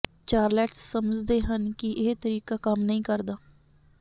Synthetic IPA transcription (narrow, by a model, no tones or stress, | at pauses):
t͡ʃaːɾlɛːʈsːəməd͡ʒd̪eːɦənkɪʔɪːt̪əɾiːkaːkəmnəɦĩːkəɾd̪aː